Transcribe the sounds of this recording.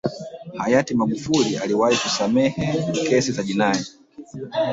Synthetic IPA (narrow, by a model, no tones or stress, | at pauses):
hajatimaɠufulialiwahikusamɛhɛkɛsizaʄinaɛ